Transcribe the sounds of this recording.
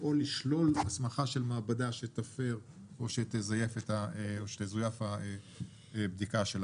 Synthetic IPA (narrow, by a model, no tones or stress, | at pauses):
o̞liʃlo̞lasmaχaʃe̞lmaːbadaʃet̪afe̞ʁ | oʃet̪ezaje̞fet̪aoʃet̪ezojafhae | bd̪ikaʃel